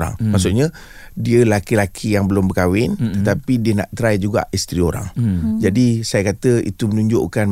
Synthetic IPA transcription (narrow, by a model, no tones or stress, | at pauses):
ɾa̰ŋmaʔsʊʔɲa | diəlakilakʰijaŋbəlʊmbəkawɪnt̪ət̪apidiəna̰ʔt̪ɾaid͡ʒuɡa̰ʔist̪ɾioɾa̰ŋd͡ʒadisajakat̪əḭt̪umənũɲd͡ʒʊ̰ʔkan